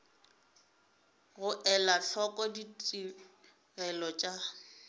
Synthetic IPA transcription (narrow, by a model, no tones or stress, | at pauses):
ɣʊʔɛlaɬɔkʼɔditʼi | ɣɛlɔt͡ʃʼa